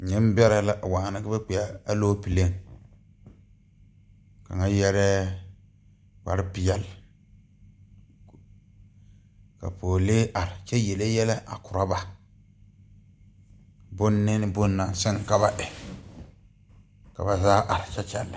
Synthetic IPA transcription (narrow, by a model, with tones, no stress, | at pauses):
ɲɪ˦m˦bɛ˦ɾɛ˦la˦ʔwaː˨na˦ka˦bɛ˦k͡pi˨ja˦a˦loː˦pi˨le˦ŋ | ka̰˨ŋa˦jɛ˦ɾɛ˦ | wa˨ɾɪ˦pɪ˦jɛ˦l | ka̰˨poː˨leː˦ʔa˨ɾɪ˨t͡ʃɛ˦jɛ˨le˦jɛ˦lɛ˦ʔa̰˨kʊ˨ɾa˦ba˨ | bʊ˦nːɪ˦nɪ˦bʊ˦nːa˨sɛ˦ŋ˨ka˦ba˦ʔɛ˨ | ka˨ba˨zaː˦ʔa˨ɾɪ˨t͡ʃɛ˦t͡ʃɛ˦lːa˨